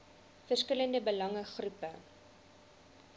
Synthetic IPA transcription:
fərskələndəbəlɐŋəχrupə

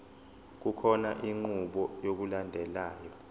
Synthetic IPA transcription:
k̬ukʰɔnaʔiŋ͡ǃuɓɔjok̬ulandʱɛlaːjɔ

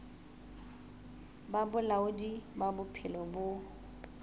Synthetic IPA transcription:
babʊlaʊdibabʊpʰɪlɔbʊ

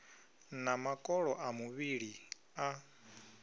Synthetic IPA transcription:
namakʼɔɺɔʔamuβiɺi | a

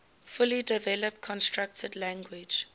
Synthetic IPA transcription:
fʊlidɛvɛləp̚tkʰɔ̃nstɹak̚tʰədlæ̃ŋɡwɪd͡ʒ

